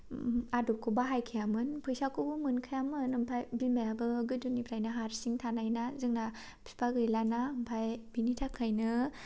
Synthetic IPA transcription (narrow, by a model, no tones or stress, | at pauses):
adukʰːɯbaɦajkʰɯjamɯnpʰɯjsakʰubumɯnkʰajamɯnɯmpʰajbimajabɯɡɯdunipʰɾajnaɦaɾsiŋtʰanajnazɯŋna | pʰi̥pʰaɡɯjlanaɯmpʰajbinitʰakʰːajnɯ